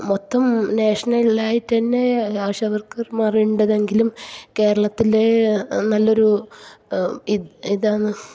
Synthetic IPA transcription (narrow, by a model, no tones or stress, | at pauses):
mot̪ːɐmneːʂɐnɐlaːjitːɐnːeaːɕɐɐʋɐrkɐmɐrijuɳɖɐðe̞ŋɡilumke̞ːɾɐɭɐt̪ːilenɐlːo̞ɾu | iiðaːɳɨ